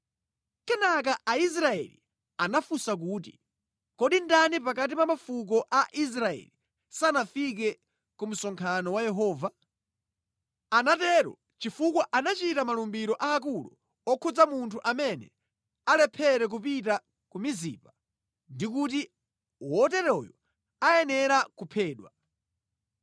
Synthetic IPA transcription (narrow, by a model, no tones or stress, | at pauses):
kɛnak̬aʔais̬ɾaɛ̰lḭ | anafusak̬uːtḭ | kɔɗindanipakat̬ipamafuk̬ɔʔaʔis̬ɾaɛ̰li | sanafik̬ɛ | kum̩sɔŋkʰanɔwajɛɦɔːva | anatɛɾɔ̰ | t͡ʃifukwɔʔanat͡ʃitamalumbiɾɔʔaːk̬ulṵ | ɔkʰɔd͡zamuntʰuʔamɛnɛ̰ | alɛpʰɛɾɛk̬upita | kumizipa | ndikut̬i | wɔtɛɾɔjɔ | ajɛnɛɾakupʰɛːɗwa